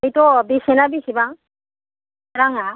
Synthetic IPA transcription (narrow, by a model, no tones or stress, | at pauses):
jt̪ɔbisenabisibaŋ | ɾaŋa